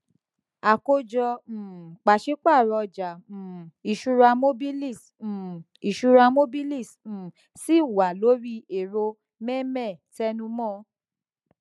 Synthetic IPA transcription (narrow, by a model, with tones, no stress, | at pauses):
a˨ko˧d͡ʒɔ̃˧˨k͡pa˨ʃe˦k͡pa˦˨ɾɔ˧d͡ʒã˨i˨ʃu˧ɾa˧mo˦bi˦li˦˨s̩˨ | i˨ʃu˧ɾa˧mo˦bi˦li˦˨s̩˨ | si˦˨wa˨lo˨˦ɾi˦e˨ɾo˧ | mɛ˦mɛ˦˨tɛ˧nũ˧mɔ̃˦